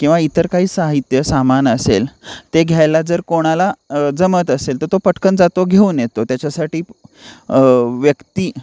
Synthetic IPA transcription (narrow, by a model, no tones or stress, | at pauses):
kĩw̃ʋait̪əɾkaɦiːsaɦit̪jəsamanəselt̪eɡʱjajlad͡zəɾkoɽ̃alad͡zəmət̪əselt̪əɾt̪opəʈʰkənd͡zat̪oɡʱeuːnjet̪ot̪jat͡ɕasaʈiː | ʋjəkt̪iː